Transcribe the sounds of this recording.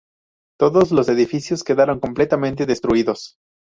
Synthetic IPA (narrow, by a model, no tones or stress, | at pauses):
t̪o̞ðo̞zlo̞se̞ðifisjo̞skeðaɾo̞ŋko̞mple̞t̪amẽnt̪e̞ðest̪ɾuiðo̞s